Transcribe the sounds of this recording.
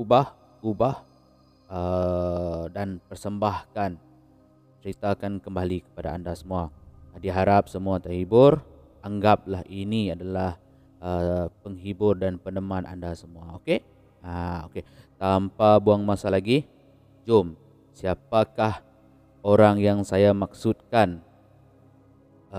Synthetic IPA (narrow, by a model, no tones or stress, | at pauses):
ubah | ɡubah | ə | danpərsəmbahkan | t͡ʃəɾit̪akankəmbalikə̥padaandasəmuadiɦaɾap̚səmuat̪əɦibʊr | ʔaŋɡap̚laɦʔiniadalah | əpəŋɦibʊrdanpənəmanʔa̰ndasəmuaoke | ao̰ket̪ampabuaŋmasalaɡi | d͡ʒʊm | siap̚akah | oɾaŋjaŋsajamak̚sʊt̪̚kan